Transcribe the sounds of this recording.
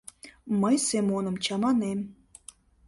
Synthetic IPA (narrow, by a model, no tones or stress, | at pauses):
məjsemonə̆mt͡ɕɑmɑnem